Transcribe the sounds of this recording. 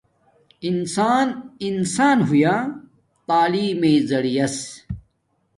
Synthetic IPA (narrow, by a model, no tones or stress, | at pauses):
insaːninsaːnɦujaː | t̪aːliːmezɐɽijɐs